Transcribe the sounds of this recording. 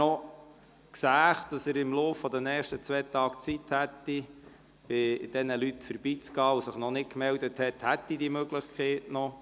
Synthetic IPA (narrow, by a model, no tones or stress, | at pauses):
ɔ | ksæːχd̥ɑsəɾɪmloːfːɔd̪ənɛːχʃtət͡sʋɛːt̪ɑːkt͡sithæt̪ːi | b̥ɪd̥ɛnəlytfəɾb̥iːt͡sɡ̥ɑːusəχnɔnɪt̚kmɛld̪əthɛt̪hæt̪ːidiəmøɡlɪχkʰeɪtnɔ